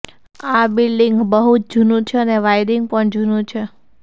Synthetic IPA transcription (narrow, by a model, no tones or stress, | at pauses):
abilɖiŋɡbəɦut̪̚d͡ʒʱunũt͡ʃʰeəneʋajɾiŋɡpəɳd͡ʒʱunũt͡ʃʰe